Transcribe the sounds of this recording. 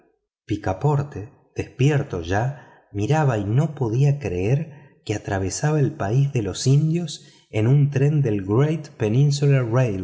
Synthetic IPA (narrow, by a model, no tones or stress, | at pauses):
pikapo̞ɾt̪e | ð̥espjeɾt̪o̞ʒa | miɾaβaino̞po̞ðiakɾeeɾ | keat̪ɾaβ̞e̞saβaelpaizðe̞lo̞sind̪jo̞s | e̞nunt̪ɾe̞nd̪e̞lɡɾejt̪pe̞nĩns̬ularej